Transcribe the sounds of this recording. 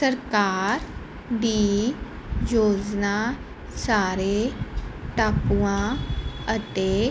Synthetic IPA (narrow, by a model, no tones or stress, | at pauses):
səɾkaːɾ | ɖiː | d͡ʒoːd͡ʒnaː | saːɾeːʈaːpuãːət̪eː